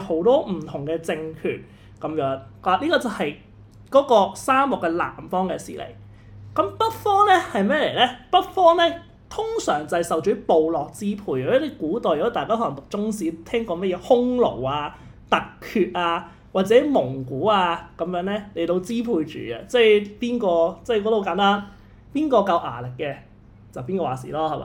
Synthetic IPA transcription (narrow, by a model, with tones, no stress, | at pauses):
ho˨˥wt̪ɔː˥m̩˨˩t̪ʰʊ˨˩ŋkɛː˧t͡sɪ˧ŋkʰy̰ː˨˩n̚ | kɐ˨˥mjœː˨˥ŋaː˨˩liː˥kɔː˧t͡sɐ˨hɐ˨j | kɔː˨˥kɔː˧saː˥mlʊ˨˩kːɛː˧la̰ː˨˩mfɔː˥ŋkɛː˧sḭː˨˩lʔḛ˨˩j | kɐ˨˥mpɐ˥t̚fɔː˥ŋnɛː˥hɐ˨jmɛː˥le˨˩jlɛː˦˥pɐ˥t̚fɔː˥ŋnɛː˥ | t̪ʰʊ˥ŋsœ̰ː˨˩ŋt͡sɐ˨jsɐ˨wt͡ʃɵ˨˥po˨wlɔː˨k̚t͡siː˥pʰuː˨˧jle˥˩kuː˨˥t̪ɔː˨˧jt̪aː˨jkaː˥hɔː˨˥lŋt̪ʊ˨k̚t͡sʊ˥ŋsiː˨˥t̪ʰɛː˥ŋkɔː˧mɐ˥t̚jɛː˨˧hʊ˥ŋlo̰˨˩waː˧ | t̪ɐ˨kʰːyː˧t̚ʔaː˧ | waː˨t̚t͡sɛː˨˥mʊ˨˩ŋkuː˨˥aː˧kɐ˨˥mjœː˨˥ŋnɛː˥le˨˩jt̪o˧wt͡siː˥pʰuː˧jt͡ʃy̰ː˨˩a̰ː˧t͡sɛ˥˩jpiː˥nkɔː˧t͡sɛ˥˩kɔ˨˥t̪o˧wkaː˨˥nt̪aː˥n | piː˥nkɔː˧kɐ˧wʔa̰ː˨˩lɪ˨kːɛ˧ | t͡sɐ˨wpiː˥nkɔː˧waː˨˩sḭː˨˩lɔː˥hɐ˨˩ma̰ː˧˦